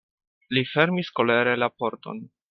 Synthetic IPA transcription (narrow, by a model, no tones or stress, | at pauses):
life̞ɾmisko̞le̞ɾe̞lapo̞ɾto̞̰n